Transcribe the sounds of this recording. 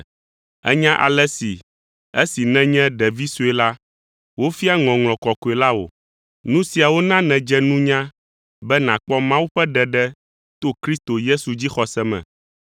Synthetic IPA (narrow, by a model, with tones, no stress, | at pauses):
ɛ̰˦ɲã˦ʔa̰˨lɛ˦si˨ | e˦si˨nɛ̃˦ɲɛ̃˦ɖɛ˨vi˦su˦ɛ˨la˦ | wo˦fi˦a˦ŋɔ̃˨ŋl̃ɔ̃˨kɔ˨ko˨ɛ˨la˦wo̰˨ | nũ˦si˨a˨wo˦nã˦nɛ̃˨d͡ʒɛ˦nũ˦ɲã˦ | bɛ˦nã˨k͡pɔ˦mã˦wu˦ɸɛ˦ɖɛ˨ɖɛ˦ | t̪o˦kɾi˦st̪o˨je˦su˨d͡ʑi˦xɔ˨sɛ˦mɛ̰̃˨